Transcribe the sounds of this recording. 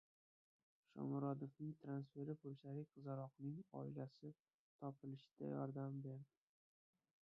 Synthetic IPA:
ʃɒ̰mɾɒd̪ofnɪŋt̪ʰɾansfe̞ɾɪpolʃaɾɪqʰɨzaɾɒqnɪŋɒ̰ɪlasɪ | t̪ʰɒpʰɪlɪʃɪ̥d̪̥a̰jɒɾd̪ambe̞ɾd̪ɪ

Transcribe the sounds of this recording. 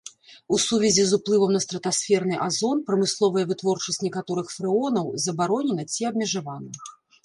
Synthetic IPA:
usuvʲɛzʲizuplˠɨvɐmnɐst̪ɾɐt̪asfʲɛrnɨʔazɔnpɾɐmɨslˠɔvɐjɐvɨt̪vɔrt͡ʂɐsʲtʲnʲɛkat̪ɔɾɨxfɾɨɔnɐwzɐbaɾɔnʲɛnɐt͡sʲiɐb̚mʲɛʐavanɐ

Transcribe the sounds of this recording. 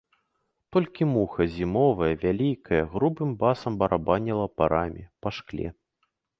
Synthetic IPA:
t̪ɔlʲkʲimuxɐzʲimɔvɐjɐvʲalʲikʰɐjɐɣɾubɨmbasɐmbɐɾʔabanʲɛlˠɐpaɾʔamʲḭpɐʂklʲɛ̰

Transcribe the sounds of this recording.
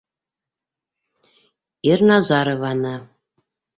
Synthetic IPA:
irnɑzɑɾɤ̆βɑnɑ

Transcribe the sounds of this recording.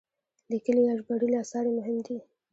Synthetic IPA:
likəlijaʒbaɽulasɑɽemʊɦɪmd̪i

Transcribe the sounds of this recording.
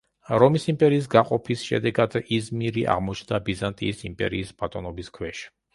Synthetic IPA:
ɾɔmisimpʼɛɾiːs̬ɡaqʼɔpʰisʃɛ̰d̪ɛɡad̪izmiɾiʔa̰ʁmɔt͡ʃʰnd̪abizant̪ʼḭːsimpʼɛ̰ɾḭːsbat̪ʼɔnɔbiskʰwɛʃi̥

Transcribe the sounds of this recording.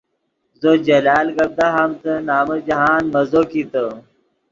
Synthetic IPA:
zod͡ʑɐlaːlɡɐb̚d̪aɦɐmt̪ənaːmɐd͡ʑɐɦaːnmɐzokit̪ə

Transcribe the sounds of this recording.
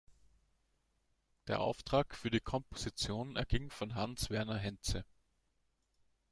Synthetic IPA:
d̥eːɐʔa̰ʊftʁ̥aːkfyːɐdiːkʰɔmpo̥z̥it͡sjoːnɛɐɡɪŋfɔnɦansv̥ɛɐnɐɦɛnt͡sə

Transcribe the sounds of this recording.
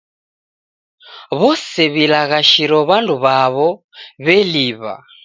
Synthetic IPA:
βɔsɛβilaɣaʃiɾɔβanduβaβɔ | βɛliːβa̰

